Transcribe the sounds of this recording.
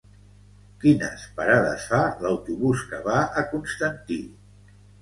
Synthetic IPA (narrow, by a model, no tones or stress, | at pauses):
kinə̰spəɾaðə̰sfaləwt̪uβuskəβaəkunst̪ənt̪i